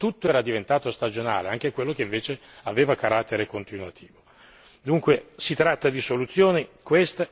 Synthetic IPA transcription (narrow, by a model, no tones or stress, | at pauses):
t̪ut̪ːoɛːɾad̪ivent̪aːt̪ost̪ad͡ʒona̰ːleaŋk̟ekwelːok̟eiɱveːt͡ʃeaveːvakaɾat̪ːeɾekont̪inwat̪ʰiːvo | d̪uŋkwesit̪ɾat̪ːad̪isolut̪sːjoːnikwest̪